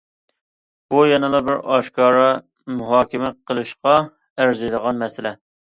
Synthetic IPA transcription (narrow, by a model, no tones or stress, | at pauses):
b̥ujɛnɨlˠɑbɪɾɑʃkɑːɾɑ | muɦɑːkʲɪmɛqʰəlˠɨʃqɑ | æɾzɪjd̪əʁɑnmɛsɪlɛ